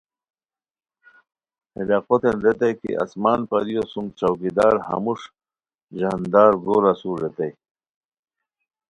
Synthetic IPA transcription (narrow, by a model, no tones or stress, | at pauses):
helaqot̪enɾet̪ɐjkḭʔɐ̰smaːnpɐɾijosuŋɡt͡ɕɐwkid̪aːɾhɐ̰muʂ | ʑand̪aːɾɡoːɾɐsuːɾːet̪ej